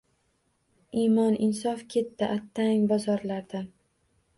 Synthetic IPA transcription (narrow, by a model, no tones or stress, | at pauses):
imɒnɪnsɒfkʲʰe̞t̪ːɪʔat̪ʰːaŋʲbɒzɒɾlaɾd̪an